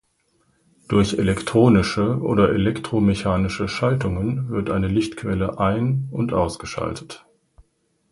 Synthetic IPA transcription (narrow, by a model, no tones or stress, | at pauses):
d̥ʊɐçelɛktʁ̥oːnɪʃəʔo̰ːdɐʔelɛktʁ̥omeçaːnɪʃəʃaltʊŋənvɪɐtʔa̰ɪnəlɪçtkʰv̥ɛləʔaɪnʊntʔaʊsɡ̥əʃa̰ltʰət